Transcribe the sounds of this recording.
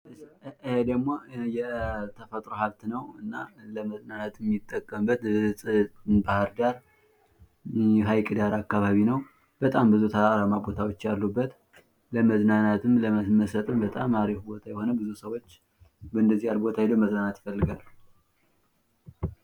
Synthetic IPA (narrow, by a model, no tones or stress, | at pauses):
hed̪əɡmojɛt̪ʰəfət̪ʼɾoɦaβt̪nəwɨnːaləməznanat̪ʰɛmɪt̪ʼːəkʼːəmbːət̪sʼɨbahɨɾd̪aɾ | ɦajkʼɨd̪aɾakːaβaβinəw | b̥ət̪ʼambɨzut̪ʰəaɾamabo̞t̪ʰawo̞t͡ʃːjalːubːət̪ | ləməznanat̪ʰɨmləməməsət̪ʼɨmbət̪ʼamaɾifubo̞t̪ʰajɛho̞nəbɨzusəwo̞t͡ʃː | bəɨnd̪əzːihalbo̞t̪ʰahjed̪oməznanat̪jɪfəlːɨɡal